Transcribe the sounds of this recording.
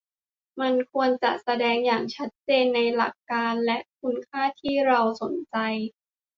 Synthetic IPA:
ma˧nkʰu˧ənt͡ɕa̰˨˩ʔsa˧dɛː˧ŋjaː˨˩ŋt͡ɕʰa˦˥t̪̚t͡ɕeː˧nːa˧jla˨˩kːaː˧nlɛ˦˥ʔkʰu˧˥nkʰaː˥˩t̪ʰiː˥˩ɾa˧wso˩˦nt͡ɕa˧j

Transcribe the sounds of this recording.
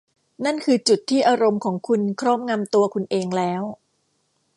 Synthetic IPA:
na˥˩nkʰɯː˧t͡ɕu˨˩t̪ʰːiː˥˩ʔaː˧ɾo˧mkʰɔː˩˦ŋkʰu˧nkʰɾɔː˥˩m̚ŋa˧mt̪u˧ɐkʰu˧nʔeː˧ŋlɛː˦˥w

